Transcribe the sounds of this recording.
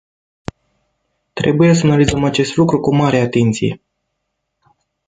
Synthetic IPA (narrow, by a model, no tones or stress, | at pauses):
t̪ɾe̞̰buje̞s̬əanalizəmat͡ʃe̞st̪lukɾukumaɾeat̪e̞nt̪sije̞̰